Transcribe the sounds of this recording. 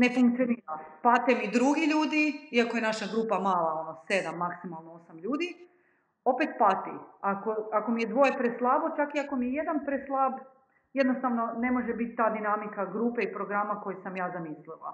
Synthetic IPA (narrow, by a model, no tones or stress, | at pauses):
ne̞fuŋk̚t̪sio̞niːɾapat̪emid̪ɾuɡiʎuːd̪iiakojenaʃaɡɾuːpamaːlˠao̞nose̞d̪amːaksimalˠnoo̞samʎuːd̪i | o̞pet̪pat̪ḭakoako̞mijed̪ʋo̞jepɾeslˠabo̞t͡ʃakiako̞mijeje̞d̪anpɾeslˠab | jed̪nost̪aʋno̞ne̞mo̞ʒebit̪t̪ːaːd̪inamikaɡɾuːpeipɾo̞ɡɾamako̞jesamjaːzamislila̰